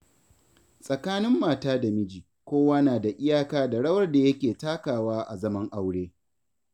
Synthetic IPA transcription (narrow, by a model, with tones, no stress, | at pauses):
sʼɐ˨kaː˦nɪ˦mːaː˨taː˦da˨mɪ˦d͡ʒiː˨ | kʷoː˦waː˦naː˨da˨ʔɪ˦jaː˦kaː˦da˨ɽɐ˦wɐ˦rda˨jɐ˦kʲeː˨taː˦kaː˨waː˦ʔa˨zɐ˦mɐ˦ŋʔa˦wɽeː˦